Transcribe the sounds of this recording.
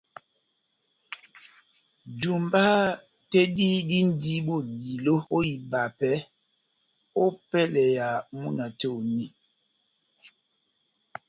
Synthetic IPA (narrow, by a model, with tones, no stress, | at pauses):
d͡ʒu˨mba˦ | tɛ˦di˦di˦n˦di˦ɓo˦˨ɡi˨lo˦o˦ji˨ba˨pɛ˦ | o˦pɛ˦lɛ˨ja˨mu˦na˨to˦˨ni˦